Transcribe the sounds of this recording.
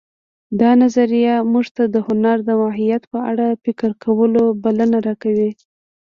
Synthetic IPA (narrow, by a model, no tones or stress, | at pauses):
d̪ɑnazaɾijamuʐt̪ad̪əhʊnaɾd̪əmɑɦijat̪pəaɽapɪkəɾkʰawəlobalənaɾɑkawi